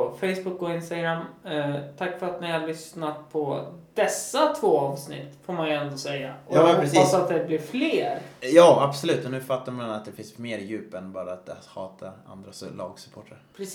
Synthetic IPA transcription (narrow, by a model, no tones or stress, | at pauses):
fɛjsbʊkːɔɪnst̪aɡɾamːt̪ʰakːfœɾat̪nɪhaɭʏsnat̪̚pʰɔd̪̥ɛsːat̪ʰvoːɑːvsnɪ̰t̪ːfoːɾmanjɵɛnd̪ɔsɛjːaʔɔhɔɾɛːasat̪̚d̪ɛblɪɾfleːɾjɑːabsɔlʉ̟ːt̪ɔnʉ̟ːfat̪ːaɾmanɛnat̪d̪ɛfɪnsmeːɾjʉ̟ːpɛnbɑːɾaat̪̚d̪ɛhɑːt̪ʰaɾa̰nd̪ɾaslɑ̰ːɡsʉ̥pʰoːʈʰaɾpʰɾ